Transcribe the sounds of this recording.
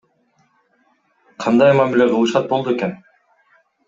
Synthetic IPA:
qʰɑnd̪ɑjmamile̞qʰɯlˠɯʃɑt̪̚bolˠd̪ue̞ke̞n

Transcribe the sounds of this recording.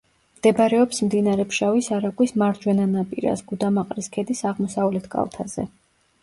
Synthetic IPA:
md̪̥ɛbɾɛɔpsmd̪inaɾɛpʰʃavisaɾakʼwismaɾd͡ʒwɛnanapʼiɾa̰sɡud̪amaqʼɾiskʰɛd̪isaʁmɔsavlɛt̪ʰɡʼa̰lˠt̪ʰa̰zɛ̰

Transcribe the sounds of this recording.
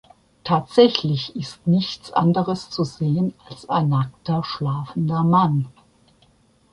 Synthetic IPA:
tʰaːtz̥ɛçlɪçɪstnɪçt͡sʔa̰ndəʁəst͡suzeːənalsaɪnːak̚tɐʃlaːfn̩dɐman

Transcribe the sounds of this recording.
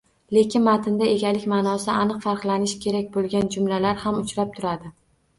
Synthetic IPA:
le̞kʲɪnmat̪ʰɪnd̪ae̞ɡʲalɪkʲmaːnɒsɪanɨqfaɾqlˠanɪʃkʲʰe̞ɾak̚ʲbolˠɡʲand͡ʒʊmlalaɾhamʊt͡ʃɾap̚t̪ʰʊɾad̪ɪ

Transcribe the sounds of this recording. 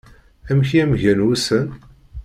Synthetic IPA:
æmçiæmʝænwusən

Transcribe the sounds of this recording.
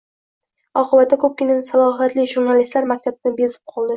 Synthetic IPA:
ɒqʰɨbat̪ːakʰɵp̚kʲɪnasalˠɒɦat̪lɪʒuɾnalist̪laɾmak̚ʲt̪ʰabɪnɪbezɪ̥p̚qʰɒlˠd̪ɪ

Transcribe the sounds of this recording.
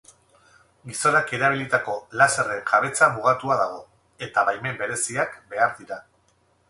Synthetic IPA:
ɡiso̞nake̞ɾaβ̞ilit̪ako̞lasere̞ŋʝaβe̞t͡samuɣ̞at̪uaðaɣ̞o̞ | e̞t̪aβajme̞mbe̞ɾe̞siakbe̞aɾðiɾa

